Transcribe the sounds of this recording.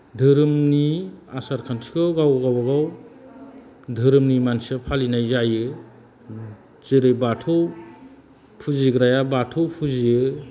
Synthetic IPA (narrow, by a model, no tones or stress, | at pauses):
dʱɯɾɯmniasaɾkʰantʰi̥kʰɯɡawɡawbaɡaw | dʱɯɾɯmnimansɯpʰalinajzajɯ | zɯɾɯjbatʰɔw | pʰuziɡɾajabatʰɔwpʰuzijɯ